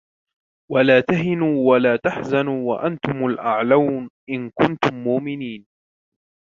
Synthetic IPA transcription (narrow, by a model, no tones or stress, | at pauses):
walaːt̪aɦɪnuːwalaːt̪aħzanuːwa̰ʔant̪ʊmʊlʔaʕlawnʔɪnkʊnt̪ʊmːʊʔmɪniːn